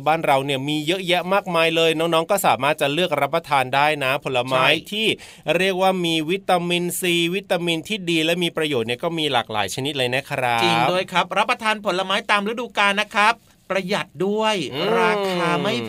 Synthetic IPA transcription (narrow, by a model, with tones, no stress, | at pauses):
baː˥˩nɾa˧wni˥˩əmiː˧jɤ˦˥ʔjɛ˦˥ʔmaː˥˩k̚maː˧jlɤː˧jnɔː˦˥ŋnɔː˦˥ŋkɔː˥˩saː˩˦maː˥˩t̪̚t͡ɕa˨˩lɯ˥˩ək̚ɾa˦˥pːɾa˧t̪ʰaː˧ndaː˥˩jna˦˥pʰo˨˩˦nlːa˧maː˦˥˦jt̪ʰiː˥˩ | ɾi˥˩ək̚waː˥˩miː˧wi˦˥t̪ːa˧mi˧nsiː˧wi˦˥t̪ːa˧mi˧nt̪ʰiː˥˩diː˧lɛ˦˥miː˧pɾa˧joː˨˩t̪̚ni˥˩əkɔː˥˩miː˧la̰ː˨˩k̚la̰ː˩˦jt͡ɕʰa˧ni˦˥t̪̚la˧jna˦˥kʰa˧ɾa˦˥i˨˩dəː˧jkʰɾa˦˥p̚ɾa˦˥pːɾa˧t̪ʰaː˧npʰo˩˦nla˧maː˦˥jt̪aː˧mɾa˦˥duː˧kaː˧nːa˦˥kʰɾa˦˥pːɾa˧ja˨˩t̪̚du˥˩əjɾaː˧kʰaː˧ma˥˩j